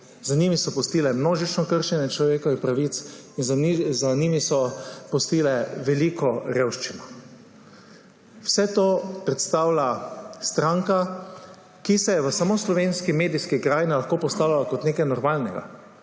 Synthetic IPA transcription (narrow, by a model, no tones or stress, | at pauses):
zaniːmisɔpɔst̪iːlɛmnoːʒit͡ʃnɔkəɾʃɛnjɛt͡ʃlɔʋeːkɔipɾaʋit̪sinzzanimisɔpɔst̪iːlɛʋɛliːkɔɾeːwʃt͡ʃinɔ | wsɛt̪oːpɾɛt̪st̪awlast̪ɾaŋka | kisɛjɛʋəsamoslɔʋeːnskimeːd̪iskikɾaːjnilaxkoːpɔst̪aːwlalakɔt̪neːkajnɔɾmaːlnɛɡa̰